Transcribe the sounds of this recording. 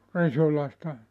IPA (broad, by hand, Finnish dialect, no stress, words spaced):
risulɑ sĭtæ